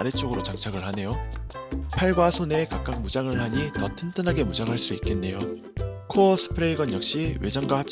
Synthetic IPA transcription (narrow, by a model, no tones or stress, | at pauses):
ɾet͡ɕ͈oɡɯɾot͡ɕaŋt͡ɕʰaɡɯɭhane̞jo | pʰaɭɡwasʰone̞kak͈̚ak̚mud͡ʑaŋɯɭhaɲitʌtʰɯntʰɯnɦaɡe̞mud͡ʑaŋɦaɭs͈uit̚k͈e̞nːe̞jo | kʰoʌsʰɯ̥pʰɯɾe̞iɡʌnjʌk̚ɕ͈iwe̞d͡ʑʌŋɡwahap̚t͡ɕ͈